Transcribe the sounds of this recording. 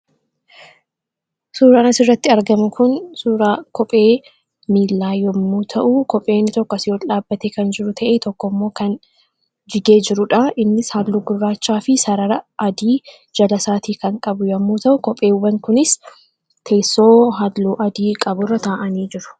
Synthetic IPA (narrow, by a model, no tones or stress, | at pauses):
suːɾɐɐnɐsɪrːɐt̪ːɪɐɾɡɐmʊkʰʊnsuːɾaːkʰɔpʼe̞ː | miːlːaːjɔmːuːt̪ʰɐʔukɔpʼe̞ːnːɪt̪ɔkːɔɐsɪjɔlaːbːɐt̪ekɐnd͡ʒɪɾʊt̪ʰɐʔeːt̪ɔkːɔmːo̞ːkɐn | d͡ʒɪɡe̞ːd͡ʒɪɾʊᶑɐɪnːɪshaːd̪luːɡʊrːaːt͡ʃːaːfɪsɐɾɐɾɐʔɐd̪iː | d͡ʒɐlɐsaːt̪iːkɐŋkʼɐbʊjɐmːuːt̪ɐʔʊkɔpʼe̞ːʊbɐŋkʊnɪs | t̪ʰe̞ːsːo̞ːɦad̪luːʔɐd̪iːkʼɐbʊrːɐt̪ʰaːʔɐniːd͡ʒɪɾʊ̥